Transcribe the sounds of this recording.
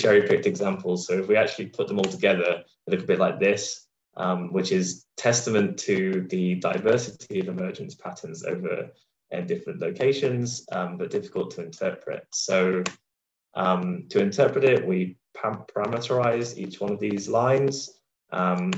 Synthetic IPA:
d͡ʒɛɹipʰɪk̚tɛɡzãmpʰəl̩ˠz̥soʊɪfwiak̚t͡ʃʉl̩ˠipʰʊʔðə̃mɔːlˠtʰəɡɛðə | lɪkl̩ˠbɪʔlaɪk̚ðɪs | ʔʌ̃mwɪt͡ʃɪz̥tʰɛstəmə̃ntʰəðədaɪvɜˑsɪtʰiəvɪmɜːd͡ʒə̃nspʰatʰə̃nzo̰ʊvə̰ɹ | ʔɪ̰̃ndɪfɹə̃nʔləʊkʰeɪʃə̃nz̥ʌ̃mbʌʔ̚d̥ɪfɪ̥kəlˠtʰəɪ̃ntʰɜˑpʰɹɪ̰tsoʊ | ʔʌ̃mtʰəɪ̃ntʰɜˑpɹɪtɪʔwipʰapʰəɹamətəɹaɪzḭˑt͡ʃwʌ̃nəvðizlãɪ̃nz̥ | ʔʌ̃m

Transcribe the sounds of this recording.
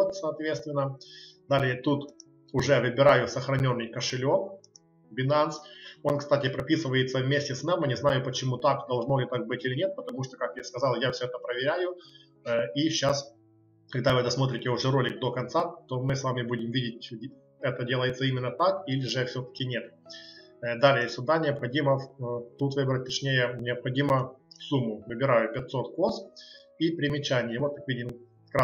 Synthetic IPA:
t̪sɐːt̪vʲet̪st̪vʲɪnːəd̪alʲɪjət̪ut̪ | ʊʐɛvɨbʲɪɾajʊsəxɾɐnʲo̞nːɨjkəʂɨlʲo̞ | bʲɪnant̪so̞nkst̪atʲɪpɾɐpʲisɨvəjɪt̪səvmʲesʲtʲɪsnamjənʲɪznajʊpət͡ɕɪmut̪akd̪ɐlˠʐnolʲɪt̪ak̚bɨtʲilʲɪnʲet̪̚pət̪ɐmuʂt̪okakjaskɐzɑlˠjafsʲoɛt̪əpɾəvʲɪɾʲæjʊ | iɕas | kɐɡ̚d̪avɨd̪ɐsmo̞t̪ɾʲɪtʲɪʊʐɛɾo̞lʲɪkd̪o̞kɐnt̪sat̪o̞mɨsvamʲɪbudʲɪmvʲidʲɪtʲ | ɛt̪ədʲe̞lˠəjɪt̪səimʲɪnːət̪akilʲɪʐɨfsʲot̪ə̥kʲɪnʲe̞t̪̚ | d̪alʲɪjəsʲʊd̪anʲɪɐpxɐdʲimət̪ut̪vɨbɾət̚ʲt̪ɐt͡ɕnʲejənʲɪɐpxɐdʲiməsumːʊvɨbʲɪɾajʊpʲɪt̪so̞t̪kos | ipɾʲɪmʲɪt͡ɕænʲɪjəvo̞t̪̚kakvʲidʲɪm | kɾa

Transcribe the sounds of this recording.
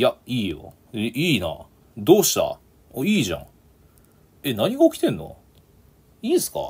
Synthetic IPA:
jaiːjo̰ | iːna̰ | d̪oːɕi̥t̪a̰ | oiːʑã̰ŋ | e̞naɲ̟iɡaokʲi̥t̪ẽ̞nːo̰ | iːsɨ̥ka̰

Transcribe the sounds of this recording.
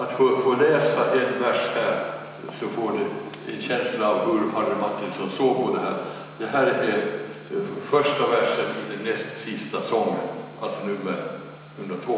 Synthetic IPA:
at̪fofoːlɛːsaʔɛnvæʂhæːɾ | sɔfoːɖɛ | ɛnɕɛnslaːvhɵɾhad̪əmat̪ːɪlsɔmsoːɡ̚pʰɔd̪ɛɦæ̰ːɾ | d̪ɛɦæːɾɛɾ | fœʂʈavæʂənɪd̪ɛnːɛst̪sɪst̪asɔŋːən | alt̪sɔnɵmːəɾ | hɵnd̪ɾat̪ʰvoː

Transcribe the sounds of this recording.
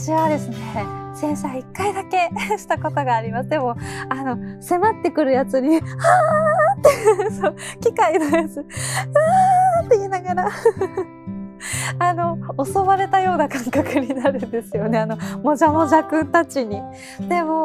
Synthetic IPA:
t͡ɕiβad̪e̞sɨne̞sẽ̞ɰ̃saikːaid̪ake̞ɕi̥t̪ako̞t̪o̞ɡaːɾʲimasɨd̪e̞mo̞ano̞se̞mat̪ːe̞kɯ̟ɾɯ̟jat͡sɨɲ̟ihat̪ːe̞jɯsokʲikainojat͡sɨat̪ːe̞iːnaɡaɾa | ano̞oso̞βaɾe̞t̪ajo̞ːnakãŋkakɯ̟ɲ̟inaɾɯ̟nd̪e̞sɨjo̞ne̞ano̞mo̞ʑamo̞ʑakɯ̟̃nt̪at͡ɕiɲ̟i | d̪̥e̞mo̞

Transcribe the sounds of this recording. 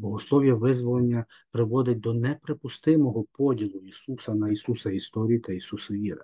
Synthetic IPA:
bɔɦɔslˠɔwjɐʋɪzʋɔlˠenʲːɐ | pɾɪʋɔd̪ɪt̚ʲd̪ɔnɛpɾepʊst̪ɪmɔɦɔpɔdʲilˠʊisusɐnɐisusɐist̪ɔɾʲijit̪ɐisusɐʋʲiɾɪ̰

